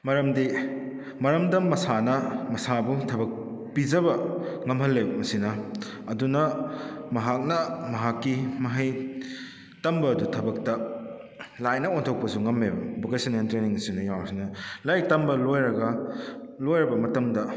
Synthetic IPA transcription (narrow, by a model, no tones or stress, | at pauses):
mɐɾɐmdi | mɐɾɐmdɐmɐsanɐmɐsabutʰɐbɐk̚ | pid͡ʒɐbɐŋɐmɦɐlːewmɐsinɐ | ɐdunɐmɐɦak̚nɐmɐɦakːimɐɦɐj | tɐmbɐːdutʰɐbɐk̚tɐ | lajnɐontʰok̚pɐsuŋɐmːebɐbokesɐnentɾeniŋsinɐjawsinɐlajk̚tɐmbɐlojɾɐɡɐ | lojɾɐbɐmɐtɐmdɐ